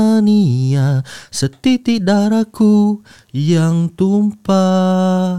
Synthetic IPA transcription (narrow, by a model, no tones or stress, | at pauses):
niasət̪it̪idaɾaku | jaŋt̪umpa